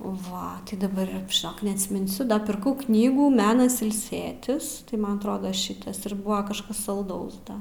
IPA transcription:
ˈʋɐ dɐˈbɐr ʒʲɪˈnoːk nʲɛɐtʲsʲmʲɪnʲˈsʲʊ dɐ pʲɪrˈkɐʊ ˈknʲiːɡuː ˈmʲæːnɐs ɪlʲˈsʲeːtʲɪs tɐɪ ˈmɐn ɐtˈroːdoː ˈʃʲɪtɐs ɪr ˈbʊʋɐ kɐʃˈkɐs sɐlˠˈdɐʊs dɐ

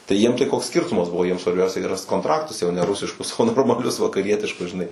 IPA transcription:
tɐɪ ˈjiɛm tɐɪ ˈkoːks ˈsʲkʲɪrtʊmɐs ˈbʊʋoː ˈjiɛm sʋɐrʲˈbʲɛʊsʲɛ ɡʲɪ ˈrɐst koːntˈrɑːktʊs jɛʊ nʲɛ ˈrʊsʲɪʃkʊs oː noːrmɐˈlʲʊs ʋɐkɐˈrʲiɛtʲɪʃkʊs ʒʲɪˈnɐɪ

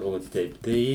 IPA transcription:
oː ˈtʲɛɪp tɐɪ

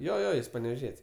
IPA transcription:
ˈjoː ˈjoː ˈjɪs pɐnʲɛʋʲɛˈʒʲiɛtʲsʲ

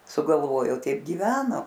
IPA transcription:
sʊɡɐlˠˈʋoːjoː ˈtʲɛɪp ɡʲɪˈʋʲæːnoː

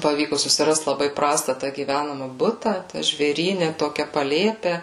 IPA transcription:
pɐˈʋʲiːkʊ sʊsʲɪˈrɐst lˠɐˈbɐɪ ˈprɑːstɐ tɐ ɡʲiːˈʋʲænɐmɐ ˈbʊtɐ ˈtʲæ ʒʲʋʲeːˈrʲiːnʲɛ ˈtoːkʲɛ pɐˈlʲeːpʲɛ

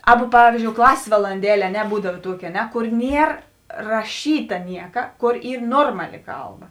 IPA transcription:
ˈɑːˌbɐ ˈpɑːʋʲiːzʲd͡ʒʲoːʊ ˈklˠɑːsʲeːs ʋɐlˠɐnʲˈdʲæːlʲeː ɐ ˈnʲɛ ˈbuːdɐw ˈtuɔkʲɪ ɐ ˈnʲɛ ˈkoːr ˈnʲiɛr rɐˈʃʲiːtɐ ˈnʲiɛkɐ ˈkoːr ˈiːr ˈnoːrmɐˌlʲɪ ˈkɐlˠˌbɐ

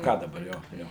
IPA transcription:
ˈkɑː dɐˈbɐr ˈjoː ˈjoː

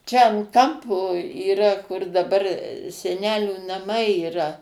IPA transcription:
t͡ʃʲɛ ɐn ˈkɐmpoː iːˈrɐ kʊr dɐˈbɐr sʲɛˈnʲæːlʲuː nɐˈmɐɪ iːˈrɐ

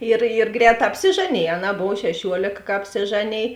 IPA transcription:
ɪr ɪr ˈɡrʲɛːˌtɑː ɐpʲsʲɪˈʒɑːˌnʲeːj ɐˈnɑː ˈboːw ʃʲɛˈʃʲuɔlʲeːk kɐ ɐpʲsʲɪˈʒɑːˌnʲeːj

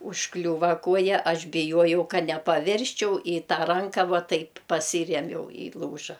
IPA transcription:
ʊʃˈklʲuːʋɐ ˈkuɔjɛ ˈɐʃ bʲɪˈjuɔjɛʊ ˈkɐ nʲɛpɐˈʋʲɪrʲsʲt͡ʃʲɛʊ ɪ ˈtɑː ˈrɐŋkɐ ˈʋuɔ ˈtɐɪp pɐˈsʲiːrʲiɛmʲɛʊ ɪ ˈlˠuːʒɐ

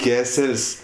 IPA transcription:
ˈkʲæːsʲɛlʲsʲ

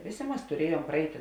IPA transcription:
ˈʋʲeːˌsʲeː ˈmɐs tʊˈrʲiɛjuɔm prɐˈɛɪtʲɪ

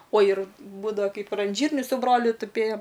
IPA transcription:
oː ɪr ˈbuːdɐʋɐ ˈkɐɪp ɪr ɐn ˈʒʲiːrʲnʲʊ sʊ ˈbroːlʲʊ tʊˈpʲeːjoːm

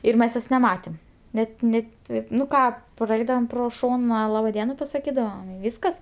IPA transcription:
ɪr ˈmʲɛs ˈjoːs nʲɛˈmɑːtʲeːm ˈnʲɛt ˈnʲɛ ˈtɐɪp nʊ ˈkɑː prɐˈɛɪdɐʋoːm ˈproː ˈʃoːnɐ ˈlˠɑːbɐ ˈdʲiɛnɐ pɐsɐˈkʲiːdɐʋoːm ɪ ˈʋʲiːskɐs

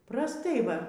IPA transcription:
prɐsˈtɐɪ ˈʋɐ

